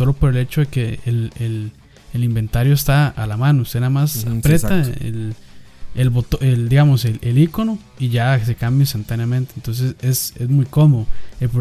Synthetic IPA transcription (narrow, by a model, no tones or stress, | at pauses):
so̞lo̞po̞ɾe̞le̞t͡ʃoðekeːlel | elimbe̞nt̪aɾjoest̪aalamãnoust̪enamasapɾet̪aḛl | elbot̪oʔeld̪iɣamoselʔelikono | iʝase̞kambjoinst̪ant̪anjamẽnt̪ent̪o̞ns̬e̞sesezmujko̞moðoelpɾo